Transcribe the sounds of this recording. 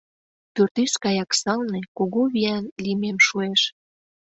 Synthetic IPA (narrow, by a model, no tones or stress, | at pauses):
t̪ørt̪yʃkɑjɑksɑlnekoɣoβiænlimemʃueʃ